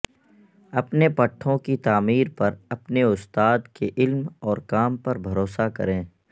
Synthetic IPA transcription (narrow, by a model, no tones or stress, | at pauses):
ɐpnepɐʈʰːõkit̪aːmiːɾpɐɾɐpneʊst̪aːd̪keʔɪlmɔːɾkaːmpɐɾbʱɐɾoːsakɐ̰ɾẽː